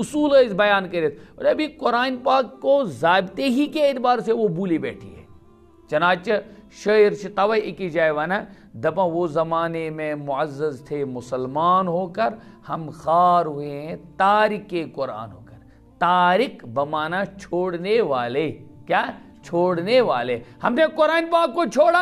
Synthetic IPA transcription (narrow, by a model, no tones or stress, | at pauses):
ʊsuːlɐɪsbɐjaːnkɐɾet̪ʰɐɐbʱikʊɾaːnpaːkːozaːɪbt̪eɦikeɪt̪baːɾseʋobuːlibɛːʈʰḭɦɛ̰ː | t͡ʃɐnaːt͡ʃɐʃɐɾt͡ʃʰit̪ɐʋɐekid͡ʒaːjʋɐːna | d̪ɐpãʋoːzɐmaːnemẽmʊɐzːəzt̪ʰemʊsəlmaːnɦoːkɐɾ | hɐmxaːɾɦueɦɛ̃t̪aːɾɪkːekʊɾa̰ːnɦo̰ːkɐɾ | t̪aːɾɪkbɐmaːnat͡ʃʰoːɽneʋaːleːkjaːɦ | t͡ʃʰoːɽneʋaːlehɐmnekʊɾaːnpaːkːot͡ʃʰoːɽa